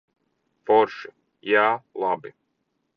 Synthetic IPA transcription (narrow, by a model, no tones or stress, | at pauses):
fɔɾʃi | jaːlˠabi